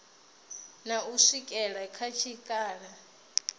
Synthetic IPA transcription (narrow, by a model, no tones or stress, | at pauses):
nauʂikʼɛɺakʰat͡ʃʰikʼaːɺa